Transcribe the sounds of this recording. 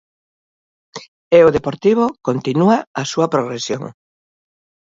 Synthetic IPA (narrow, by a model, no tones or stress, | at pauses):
eoðepoɾt̪iβ̞okont̪inuaasuɐpɾoɣ̞ɾesjo̰ŋ